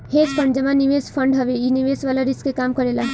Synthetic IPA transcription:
heːspʰɐɳɖd͡ʒɐmaːnːiʋespʰɐ̃ɳɖɦɐʋeiniʋeːsʋaːlaɾɪskekaːmkɐɾeːla

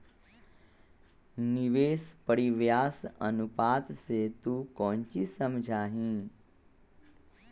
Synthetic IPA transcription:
niʋeːspəɽiʋjaːsɐ̰nupaːt̪set̪ukɔ̃ːnt͡ʃisɐmd͡ʒʱaːɦĩː

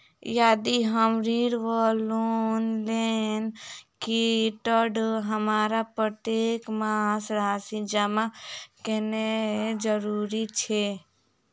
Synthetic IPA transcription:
jaːd̪iɦəmɾiːɾʋɔlonlenkiʈəɾɖɦəmaːɾapɾət̪jeːkmasɾaːsid͡ʒəmakened͡ʒəɾuːɾit͡ʃʰe

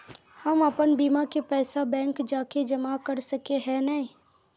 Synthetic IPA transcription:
həməpənbiːmakepɛːsabɛ̃ːŋkd͡ʒaːked͡ʒɐmakəɾsəkeɦɛnəĩː

